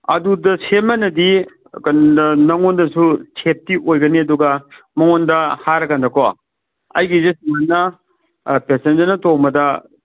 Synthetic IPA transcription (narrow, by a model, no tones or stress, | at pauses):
ɐ̰dudɐsemɐnɐdi | kɐnnɐŋondɐsut͡ʃʰep̚tiʔojɡɐniɐduɡɐ | mɐŋondɐhaɾɐkandɐko | ɐ̰jɡizesiŋanːɐ | pesend͡ʒɐɾnɐtowmɐdɐ